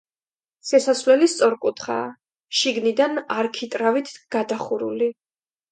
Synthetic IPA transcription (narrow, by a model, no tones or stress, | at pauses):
sɛsasvlɛlist̪sʼɔɾkʼut̪ʰχa̰ː | ʃiɡnid̪anaɾkʰit̪ʼɾavit̪ʰɡ̥ad̪aχuɾṵli